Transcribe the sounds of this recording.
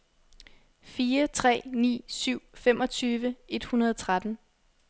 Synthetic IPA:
fiːɐt͡sʰʁɛ̰ːnḭːsyʊ̰fem̰ʔɒ̽t͡sʰyːʋəe̝d̥hunɐðˠt͡sʰʁad̥n̩

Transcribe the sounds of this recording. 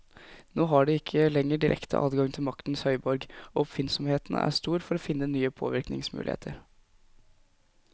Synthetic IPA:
noːɦɑɖɛɪkʰːəlɛŋːəɖɪɾʔɛ̰kt̪ʰə̰ʔɑ̰ːd̪ɡɑŋt̪ʰɪlmɑkt̪n̩shœʏbɔɾɡɔɔpfɪnsɔmheːt̪ənə̰ʔæ̰ʂt̪uːɾfɔɾɔfɪnːənyːəpʰo̰ːʋɪɾknɪ̰ŋsmʉ̰lɪ̰ḛːt̪ʰəɾ

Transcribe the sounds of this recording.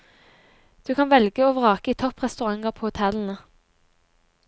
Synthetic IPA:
d̪̥ʉːkʰɑnʋɛlɡəoːʋəʁɑːkəiːt̪ʰɔpʁɛst̪ʉʁɑŋəʁpʰoːhʊt̪ʰɛln̩ə

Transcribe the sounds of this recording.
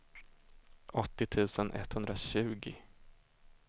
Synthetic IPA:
ʔɔt̪ːɪt̪ʰʉ̟ːsənʔɛ̰t̪hɵnd̪ɾaɕʉ̟ːɡɪ

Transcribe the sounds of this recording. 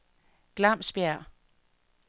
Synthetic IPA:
ɡ̥lɑ̈m̰sb̥jæɐ̰

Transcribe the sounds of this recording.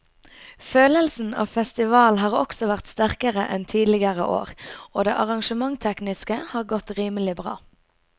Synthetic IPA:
føːləlsn̩ɑ̰ːfɛst̪ɪʋɑːlɦɑːʁɔ̰ksɔʋæʁt̪st̪æʁkəʁə̰ʔɛnt̪ʰiːd̪lɪɡəʁə̰ʔo̰ːʁoːd̪ɛ̰ːʔɑʁɑŋʃəmɑŋt̪ʰɛknɪskəhɑːʁɡɔt̪ʁiːməlɪbʁɑ̰ː

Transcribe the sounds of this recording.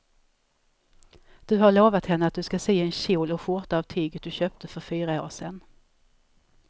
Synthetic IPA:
d̪̥ɵɦaɭoːvat̪hɛnːəat̪̚d̪ɵskaseːɛnɕuːlɔfʊʈ̪avt̪ʰyːɡət̪̚d̪ɵɕøːp̚t̪ʰəfœɾfyːɾao̰ːʂɛn

